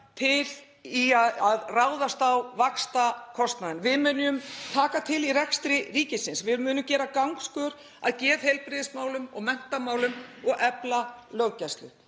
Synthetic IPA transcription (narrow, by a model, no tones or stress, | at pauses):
t̪ʰɪl | iaaðraːwðast̪awvakst̪akʰɔst̪naðɪnvɪðmʏnʏmt̪ʰaːkat̪ʰɪlirɛkst̪ɾɪriːcɪsɪnsvɪmʏːnʏmcɛːɾakawŋkskœɾ | a̰ðcɛːðhejlpɾɪðɪsmaːwlʏmɔ̰ɣmɛn̥t̪amaːwlʏmɔɣʔɛplalœwcast̪lʏ̰